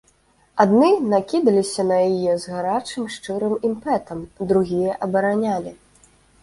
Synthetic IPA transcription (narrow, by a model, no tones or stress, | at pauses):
ad̪nɨnakʲid̪ɐlʲisʲɐnɐjajɛzɣaɾat͡ʂɨmʂt͡ʂɨɾɨmimpɛt̪ɐmd̪ɾuɣʲijɐʔɐbɐɾanʲalʲi